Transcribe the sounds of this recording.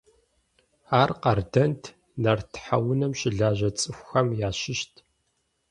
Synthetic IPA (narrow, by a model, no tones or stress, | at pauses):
aːrqɐrdɐntʰ | nɐrtʰħawʊnɐmɕɪɮaːʑɐt͡sʼɨxʷxɐmjaːɕɪʃtʰ